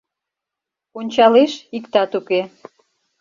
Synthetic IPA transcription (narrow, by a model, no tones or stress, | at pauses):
onʲt͡ɕɑleʃikt̪ɑt̪uke